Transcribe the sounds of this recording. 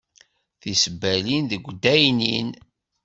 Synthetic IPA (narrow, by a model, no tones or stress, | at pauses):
θisəbːælinðəɡʷːd̪æjnḭn